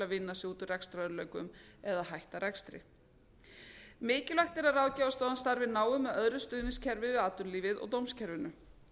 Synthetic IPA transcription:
avɪnːasɪuːt̪ʏrɛkst̪ɾaœðɾlœɥkʏ̰mɛðaðɦajht̪aɾɛkst̪ɾɪ̰ | mɪːcɪlvajht̪ɛɾaðraːwðcavast̪ɔːðanst̪aɾvɪnaːwʏmɛðœðɾʏst̪ʏːðnɪnscʰɛɾvɪvɪðaːt̪ʏɾliːvɪðɔ̰ɣt̪owmscʰɛɾvɪnʏ

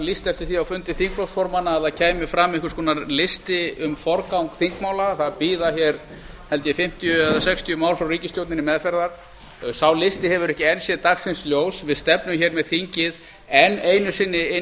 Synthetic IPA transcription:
list̪ɛft̪ɪɾ̥θiawfʏnt̪ɪθiŋkflowsfɔɾmanaːθaðcʰɛːjmɪfɾamːɛhkʏ̥skʰɔːnaɾlɪst̪ɪʏmfɔɾkawŋkθiŋkmaːwlaθaðpiːðaçjɛɾ | hɛlt̪jɛfɪm̥t̪ʰijʏɛðasɛkst̪ʰjʏmaːwlfɾawɾiːcɪst̪jowt̪nɪnɪmɛðfɛɾðaɾ̥ | sawlɪst̪ɪɦɛvʏɾɛhcɪɛnsjɛðt̪axsɪnsljoːwsvɪðst̪ɛpnʏmçɛɾmɛðθiɲcɪð | ɛnejnʏsɪnːɪɪ

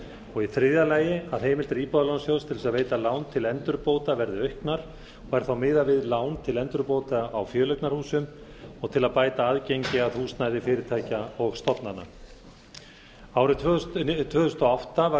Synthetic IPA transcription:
ɔɣiθɾɪðalaːjɪaðɦejmɪlt̪ɪɾiːpɔðalawnasjowst̪ʰɪlsaðveːjt̪alaːwnt̪ʰɪlɛnt̪ʏɾpowt̪avɛɾðɪœɥhknaɾ̥ | ɔɣɛɾ̥θawmɪːðavɪðlaːwnt̪ʰɪlɛnt̪ʏɾpoːwt̪aːwfjœːlœk̪naɾ̥huːsʏmɔɣt̪ʰɪlaðpaːjt̪aaðcejɲcɪaðhuːsnajðɪfɪːɾɪɾt̪ʰaːjcaɔɣst̪ɔpnanːa̰ | aːwɾɪt̪ʰt̪ʰvœːðʏst̪ɔawht̪ava

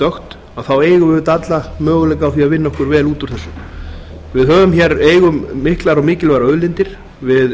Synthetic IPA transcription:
t̪œxt̪ | awθaweːjɣʏvʏɾt̪at̪lamœːɣʏlɛjkaːwθiaðvɪnːaɔhkʏɾvɛːluːt̪u̥θɛsːʏ | vɪðɦœːvʏmçɛɾeːjɣʏmːɪhklaɾɔmɪːcɪlvaɾaœðlɪnt̪ɪɾ̥ | vɪð

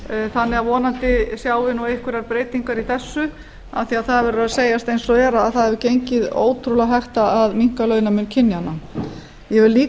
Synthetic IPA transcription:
θanːɪɣavɔːnant̪ɪsjaːwvɪnuehkvʏɾaɾpɾeːjt̪iŋkaɾiθɛsːʏ | a̰θiaðθaðvɛːɾʏɾaðseːjast̪ejnsɔvɛːɾaːðθaðhɛvʏcejɲcɪðo̰ːwt̪ʰɾulaɦaht̪aaðmiŋ̥kalœːɥnamʏncʰɪnːjana | jɛvɪɾliː

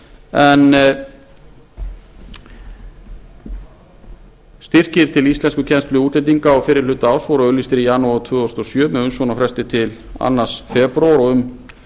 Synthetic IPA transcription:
ɛn | st̪ir̥cɪɾ̥t̪ʰɪlist̪lɛnskʏcʰɛnst̪lʏut̪lejt̪̬iŋkaɔwfɪːɾɪɾ̥lʏt̪ːaaːwsvɔɾaœlist̪ɪɾijaːnuat̪ʰvʏːɔst̪ɔsjœːmɛʏnsɔnafɾɛst̪ɪt̪ʰɪla̰nːasfɛpɾawɾɔɣʏm

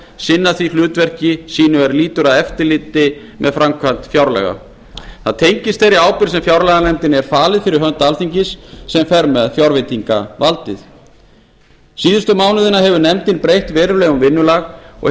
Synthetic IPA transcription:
sɪnːaθvil̥ʏːt̪vɛr̥cɪsiːnʏɛɾliːt̪ʏɾaðɛft̪ɪlɪːt̪ɪ | mʔɛðfɾamkʰvan̥t̪fjawɾlɛ̰ɣa̰ | θaðt̪ʰejɲcɪst̪θejɾɪaːwpɪɾ̥sɛmfjawɾlɛɣanɛmt̪ɪnɛɾ̥faːlɪðfɪɾɪɾɦœnt̪alθiɲcɪsːɛmfɛɾmɛðfjawɾvejt̪iŋka̰valt̪ɪθ | siːðʏst̪ʏmaːwnʏðɪnaɦɛvʏɾnɛmt̪ɪnpɾejht̪vɛːɾʏlɛːɣʏmvɪnːʏlaɣɔ̰

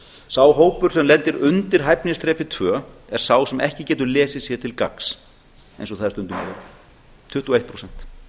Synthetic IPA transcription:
saːwɦoːwpʏɾ̥sɛmlɛnt̪ɪɾʏnt̪ɪɾ̥ɦajpnɪst̪ɾɛːpɪt̪ʰvœːɛɾ̥saːwsɛmɛhcɪcɛːt̪ʏɾlɛːsɪsjɛt̪ʰɪlka̰ks | ḛ̃jnsɔɣθaðɾst̪ʏnt̪ʏnaɾɪ | t̪ʰʏht̪uɔejht̪̚pʰɾosɛn̥t̪

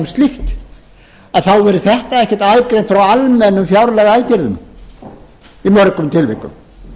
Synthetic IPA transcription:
mst̪lixt̪ | aðθawvɛɾʏθɛht̪aɛhcɛt̪aːjvkɾejnt̪fɾawalmɛnːʏmfjawɾlɛɣaːjcɪɾðʏm | imœɾkʏmt̪ʰɪlvɪ̰kʏ̰m

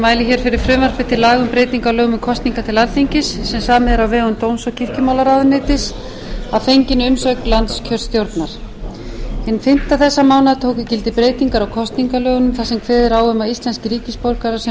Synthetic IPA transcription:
maːjlɪçɛɾ̥fɪɾɪɾ̥fɾʏːmaɾ̥fɪ̥t̪ʰɪlaːɣʏmpɾejt̪iŋkalœːɣʏmʏmkʰɔst̪niŋkat̪ʰɪlalθiɲcɪsːɛmsaːmɪðɾawvɛːɣʏmt̪oːwmsɔcʰɪr̥cɪmaːwlaɾaðʏnːɪːt̪ɪs | avfejɲcɪnʏmsœklant̪scʰœɾ̥st̪jowɾt̪naɾ̥ | hɪnːfɪn̥t̪aθɛsːamaːwnaðt̪ʰoːwkʏcɪlt̪ɪpɾeːjt̪iŋkaɾɔwkʰɔst̪niŋkalœːɣʏnʏmθasɛmkʰvɛːðɪɾawʏmaist̪lɛnscɪɾiːcɪspowlkaɾasɛ

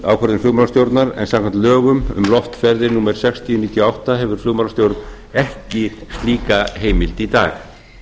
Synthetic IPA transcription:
a̰wkʰaɾðɪnflʏɣmalast̪jowɾt̪naɾɛ̰nsãmkʰant̪lœːɣʏmʏ̰mlɔft̪fɛɾðɪnuːmɛɾ̥sɛkst̪ʰiʏniːt̪jʏawht̪aɦɛvʏɾ̥flʏɣmawlast̪jowɾt̪n | ɛhcɪst̪liːkaɦeːjmɪlt̪it̪a̰ːɣ

